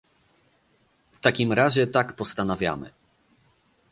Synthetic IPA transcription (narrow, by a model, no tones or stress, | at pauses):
ft̪akʲimɾaʑɛt̪akpɔst̪anavʲja̰mɘ̰